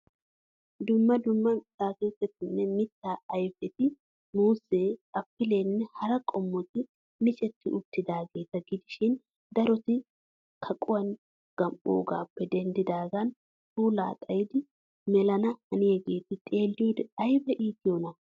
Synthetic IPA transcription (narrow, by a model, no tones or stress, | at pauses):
d̪ʊmːɐd̪ʊmːɐsaːkeːt̪ːɛt̪ɪnːɛmɪt̪ːaːɐjfɛt̪ɪ | muːse̞ːɐpːɪle̞ːnːɛhɐɾɐkʼɔmːɔt̪ɪ | mɪt͡ʃʼɛt̪ːɪʔʊt̪ːɪd̪aːɡe̞ːt̪ːɐɡɪd̪ɪʃɪn | d̪ɐɾɔt̪ɪ | kʰɐkʼʊwɐn | ɡ̥ɐmɓʼo̰ːɡa̰ːpːɛd̪ɛnd̪ɪd̪aːɡɐn | tuːla̰ːt̪ʼɐjɪd̪ɪ | mɛlɐnɐhɐnɪjɛɡe̞ːt̪ɪt̪ʼe̞ːlːɪjuːd̪ɛɐjbɐʔiːk̪ɪjɔnɐ